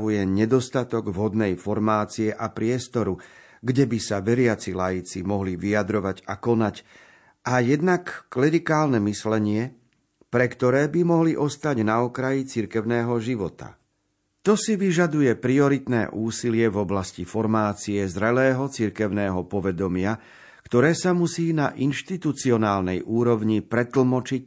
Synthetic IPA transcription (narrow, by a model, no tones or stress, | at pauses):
ujɛɲɛd̪ɔst̪at̪ɔɡvɦɔd̪nɛjfɔɾmaːt͡siɛʔapɾɪɛst̪ɔɾu | ɡɟɛbisaʋɛɾɪat͡silajit͡simɔɦliʋiad̪ɾɔʋaɟakɔnac | ʔajɛd̪nakːlɛɾikaːlnɛmislɛɲɪɛ | pɾɛkt̪ɔɾɛːbimɔɦliʔɔst̪aɟnaɔkɾajit͡siɾkɛʊnɛːɦɔʒiʋɔt̪a̰ | t̪ɔsiʋiʒad̪ujɛpɾiɔɾit̪nɛ̰ːʔuːsilɪɛvɔblascifɔɾmaːt͡siɛzɾɛlɛːɦɔt͡siɾkɛʊnɛːɦɔpɔʋɛd̪ɔmɪa | kt̪ɔɾɛːsamusiːna̰ʔinʃt̪it̪ut͡siɔnaːlnɛjʔuːɾɔʊɲipɾɛt̪l̩mɔt͡ʃic